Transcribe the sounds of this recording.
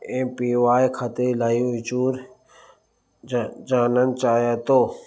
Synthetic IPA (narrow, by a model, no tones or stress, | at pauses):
ẽpiːʋaːjkʰat̪elaːiʊt͡ʃuːɾ | d͡ʒaːnənt͡ʃaːjat̪oː